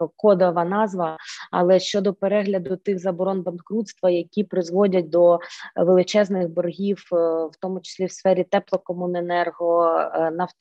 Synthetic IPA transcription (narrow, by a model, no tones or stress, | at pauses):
kɔd̪ɐʋɐnɑzʋɐɐ̰lˠɛʃt͡ʃɔd̪ɔpeɾɛɦlʲɐd̪ʊt̪ɪɣzɐbɔɾɔnbɐnkɾut̪st̪ʋɐjɐkʲipɾɪzʋɔdʲɐt̚ʲd̪ɔʋelˠɪt͡ʃɛznɪɣbɔrɦʲiwwt̪ɔmʊt͡ʃɪ̥sʲlʲiwsfɛɾʲit̪ɛplˠɔkɔmunenɛrɦɔnɐw̪